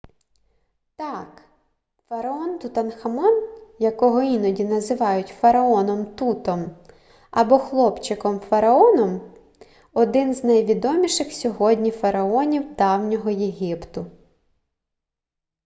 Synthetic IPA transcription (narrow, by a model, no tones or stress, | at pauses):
t̪ɑk | fɐɾɐɔnt̪ʊt̪ɐnxɐmɔnjɐkɔɦɔinɔdʲinɐzɪʋɑjʊtʲfɐɾɐɔnɔmt̪ut̪ɔm | ɐbɔxlˠɔpt͡ʃɪkɔmfɐɾɐɔnɔm | ɔd̪ɪnznɐjʋʲid̪ɔmʲiʃɪxsʲɔɦɔdʲnʲifɐɾɐɔnʲiwd̪ɑwnʲɔɦɔjeɦʲɪpt̪ʊ